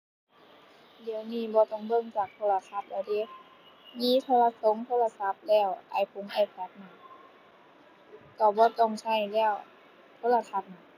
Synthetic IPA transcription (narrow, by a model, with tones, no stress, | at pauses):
di˨˦ə˧wniː˧˥˩bɔː˧˦t̪ɔ˧˩ŋbɤ˧˥˨ŋt͡ɕaː˨˩k̚t̪ʰoː˧˩la˧t̪ʰa˧˩t̪̚laː˧˩de˧˩ | miː˧˥˨t̪ʰoː˧˨la˧so˧˦ŋt̪ʰoː˧˥˨la˧sa˧˦p̚lɛː˧˩wʔa̰ː˨˩jpʰu˧˦ŋʔa˧˩pʰɛː˧˦t̪̚na˧˩ | k̪ɔː˧˩bɔː˧˦t̪ɔ˧˩ŋt͡ɕʰa˧˥˩jlɛː˧˩w | t̪ʰoː˧˥˨la˧t̪ʰa˧˩t̪̚na˧˩